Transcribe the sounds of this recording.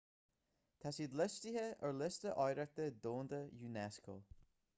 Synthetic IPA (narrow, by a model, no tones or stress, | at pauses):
t̪ʰasiːd̪lɪstihəəɹlɪst̪əʔɔjɾəɹt̪əd̪oːnd̪əjuːnɛskʰo̰ː